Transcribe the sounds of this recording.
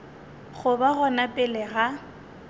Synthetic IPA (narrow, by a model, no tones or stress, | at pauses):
χʊbaɣɔnapʼɪlɪɣa